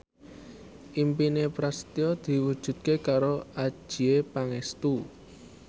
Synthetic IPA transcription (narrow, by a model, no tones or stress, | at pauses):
ʔimpinepɾast̪iɔd̪̥i̤wud̥ʒ̥ṳt̪̚kekaɾoḁʒ̥i̤epaŋɛst̪u